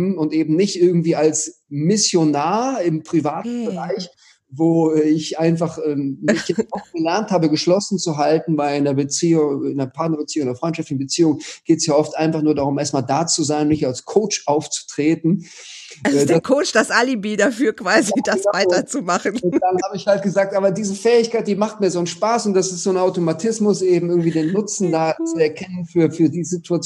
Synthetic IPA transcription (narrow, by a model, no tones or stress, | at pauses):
mʊntʔeːbm̩nɪçtʔɪɐɡŋ̩tv̥iːalsmɪsjonaːɐɪmpʁ̥ivaːtn̩bəʁaɪç | voːɪçʔaɪnfaχʔɛːmɪçjɛt͡stʔɔfɡ̥əlɛɐnthaːbəɡəʃlɔsn̩t͡suɦaltn̩vaɪlɪndeːɐbət͡siːʊɪndeɐpʰaɐtnɐbət͡siːʊŋɪndɐfʁ̥ɔʏnt͡ʃʃaftlɪçn̩bət͡siːʊŋɡ̥eːtsjaːʔɔftʔaɪnfaχnuːɐdaʁ̞ʊmʔeːɐstmaːldaːt͡suzaɪnʊnːɪçtalskʰoʊt͡ʃʔaʊft͡su̥tʁ̥eːtn̩ | azɛdaɐkʰoʊt͡ʃd̥asʔalibiːdafyːɐkv̥aːzidasvaɪtɐt͡sumaχn̩ʊnd̥anhaːbəɪçhalt̚ɡ̥əzaːk̚tʔaːbɐdiːzəfɛːɪçkaɪt̚d̥iːmaχt̚miːɐzoːnənʃpaːsʊntd̥asɪstz̥oːnʔaʊtomatʰɪsmʊsʔeːbm̩ɪɐɡŋ̩tv̥iːdeːnːʊt͡sn̩daːt͡suɛɐkʰɛnənfyːɐfyːɐdiːzitʰuat͡s